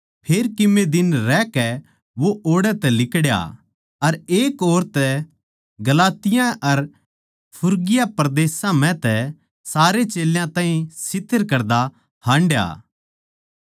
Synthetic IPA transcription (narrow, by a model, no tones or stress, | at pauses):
pʰeːɾkɪmed̪ɪnɾɛːkɛ | ʋoʔoːɽɛt̪ɛlɪkɽja̰ | ɐɾeːkoːɾt̪ɛ | ɡɐlaːt̪ɪjãʔɐɾ | pʰʊɾɡɪjapɾɐd̪eːsãmɛ̃t̪ɛ | saːɾet͡ʃeːljãt̪ãːĩsɪt̪ʰːəɾkɐɾd̪a | hãːɳɖja̰ː